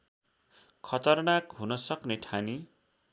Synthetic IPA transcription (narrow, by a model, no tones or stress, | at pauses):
kʰʌt̪ʌrnakɦunʌsʌknet̪ʰani